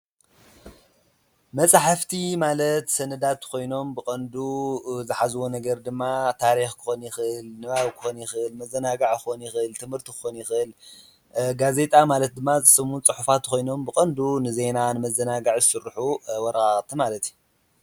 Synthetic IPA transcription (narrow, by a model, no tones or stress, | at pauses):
mɐsʼaħaft̪ʰimalɐt̪sɐnɐd̪at̪kʰo̞jno̞mbɨkʼɐnd̪uzɨħazɨwonɐɡɐɾd̪ɨmːat̪ʰaɾixkʰɨ̥xo̞njɪxʔɨlnɨβaβkʰɨ̥xonjɪxɨʔɨlmɐzːɐnaɡaʕkɨxonjɪxɨɨlt̪ʰɨmhɨɾt̪ʰikɨ̥xo̞njɪxʔɨl | ɡaze̞t̪ʼamalɐt̪̚d̪ɨmːazɨsɨmunt͡sʼɨħufat̪kʰo̞jno̞mbɨkʼɐnd̪unɨze̞nanɨmɐzːɐnaɡaʕzɨsɨɾːħuwɔɾɐxʼaχʼt̪ʰimalɐt̪ju